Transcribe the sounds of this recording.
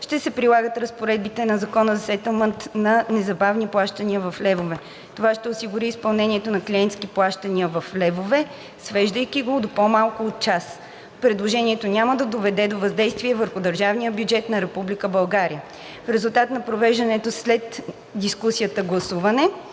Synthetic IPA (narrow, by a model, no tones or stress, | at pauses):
ʃt̪ɛsɛpɾilˠaɡət̪ɾəspoɾɛd̪̚bit̪ɛnɐzɐkɔnəzɐsɛt̪əlˠmənt̪nɐnɛzɐbavniplˠaʃt̪əniəvɐflɛvovɛ | t̪ovaʃt̪ɛosiɡuɾiːspɐlˠnɛniɛt̪onɐklʲiɛnt̪sk̟iplˠaʃt̪əniəvɐflɛvovɛ | svɛʒd̪əjkiɡod̪opomalˠkʊːt̪̚t͡ʃas | pɾɛd̪lˠoʒɛniɛt̪onʲaməd̪ɐd̪ovɛd̪ɛd̪ovɐzd̪ɛjst̪viɛvəɾxʊd̪əɾʒavnijəbjud͡ʒɛt̪nɐɾɛpublikəbɐlˠɡaɾijə | fɾɛzulˠt̪at̪nɐpɾovɛʒd̪ɐnɛt̪oslɛt̪ | d̪iskusiət̪əɡlˠɐsuvɐnɛ